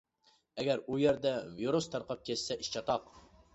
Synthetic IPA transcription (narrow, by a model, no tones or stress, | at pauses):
ɛɡʲæɾujɛɾd̪ɛviɾust̪ʰɑɾqɑp̚kʲʰɛssɛʔiʃt͡ʃʰɑt̪ɑq